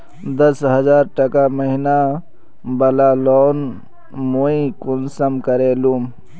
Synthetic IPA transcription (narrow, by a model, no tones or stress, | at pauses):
d̪əsɦəzaːɾʈəkaməɦina | bəlalɔːn | moikunsəmkəɾeluːm